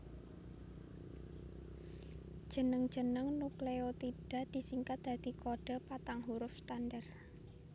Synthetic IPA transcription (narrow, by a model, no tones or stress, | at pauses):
d̥ʒ̥ə̤nəŋ̥d͡ʒ̥ə̤nəŋnukleot̪iɖ̥a̤ʔd̪̥i̤siŋkat̪̚d̪̥a̤d̪̥i̤koɖ̥a̤pat̪aŋɦuɾʊfst̪anɖər